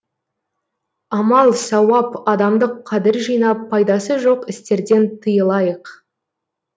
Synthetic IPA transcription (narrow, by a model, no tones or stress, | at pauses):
ɑmɑlˠsɑwɑpɑd̪ɑmd̪əqʰːɑd̪ɪɾʒijnɑpʰːɑjd̪ɑsəʒo̞qɪst̪e̞ɾd̪e̞nt̪ʰəjəlˠɑjəq